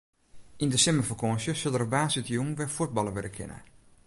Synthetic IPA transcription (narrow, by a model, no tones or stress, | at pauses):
indəsɛməfəkʰɔnsjəsɪlˠərəbaːsɪtjuŋʋɛfut̚bɑlˠəʋɪdəkʰɪ̰nʔə̰